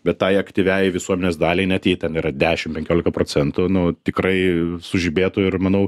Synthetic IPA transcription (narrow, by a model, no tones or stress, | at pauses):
bʲɛt̪tːɑɪɐkt̪ʲiʋʲæjʋʲɪsuɔmʲɛnʲeːsd̪ɑːlʲɛɪnʲɛt̪jiːt̪ʲɛniːɾɐd̪ʲæːʃʲɪmpʲɛŋʲkʲoːlʲɪkɐpɾoːt͡s̪ʲɛnt̪ʊnʊt̪ʲɪkrɐɪsʊʒʲibʲeːt̪ʊɪrmɐnɐʊ